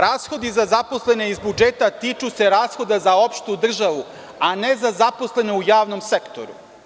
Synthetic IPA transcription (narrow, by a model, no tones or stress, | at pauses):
ɾaːsxo̞d̪izazaposle̞ne̞izbud͡ʒet̪at̪iːt͡ʃuse̞ɾaːsxo̞d̪azao̞pʃt̪ud̪r̩ʒaʋu | anezazapo̞sle̞ne̞ujaːʋno̞msekt̪o̞̰ɾṵ